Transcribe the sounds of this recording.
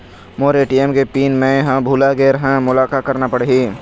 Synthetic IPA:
moːɾeːʈiemkepiːnmẽɦãbʱuːlaɡeːɾɦɛ̃mʊlaːkakəɾnapəɽɦiː

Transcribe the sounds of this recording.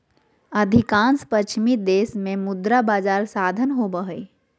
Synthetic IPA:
əd̪ʱɪkãːnspət͡ʃʰmid̪eːsmẽmʊd̪ɾabaːd͡ʒaːɾsaːd̪ʱənɦobəɦə

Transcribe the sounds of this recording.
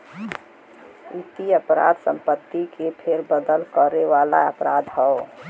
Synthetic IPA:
it̪iəpɾa̰ːd̪sə̃mpət̪ːikepʰeɾbəd̪əlkəɾeʋaːla̰əpɾad̪ɦɛo

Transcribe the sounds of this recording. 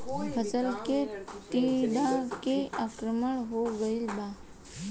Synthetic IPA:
əsəlket̪iɖʱãkeakɾəməɳ̃ɦoɡəilba

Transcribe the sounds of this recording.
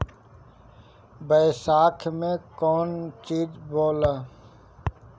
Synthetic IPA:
bəsaːkʰmẽkɔːnt͡ʃiːd͡ʒboːlaː

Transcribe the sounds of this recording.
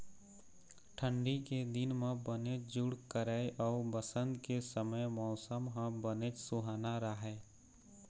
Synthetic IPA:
ʈʰə̃ɳɖiked̪ɪnmẽbənet͡ʃd͡ʒʊɽkəɾəjʔɔːɾbəsə̃nd̪kesəməjmɔːsəmɦə̃bənet͡ʃsʊɦaːnaɾəɦɛː

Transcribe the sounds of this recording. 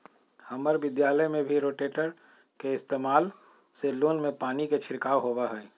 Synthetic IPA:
hɐməɾʋɪd̪jaːləjmẽbʱiɾoːʈeːʈəɾ | keɪst̪eːmaːl | seloːnmẽpaːniket͡ʃʰɪɾkaːwɦowaɦɛː

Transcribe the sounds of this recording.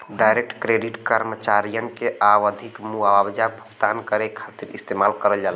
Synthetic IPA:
ɖajɾek̚ʈkɾeɖiʈkəɾmət͡ʃaɾijəŋkeawəd̪ʱikmuaabd͡ʒabʱuɡt̪ankəɾekʰat̪iɾḭst̪emalkəɾəld͡ʒal

